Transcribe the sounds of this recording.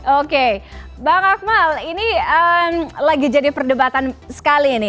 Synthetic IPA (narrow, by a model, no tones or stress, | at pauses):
okebaŋak̚maliniəmlaɡid͡ʒadipərdəbat̪ansə̥kalinɪ